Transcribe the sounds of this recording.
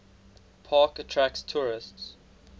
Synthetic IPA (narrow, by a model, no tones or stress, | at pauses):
pʰɑːkətʰɹækstʰuɹɪsts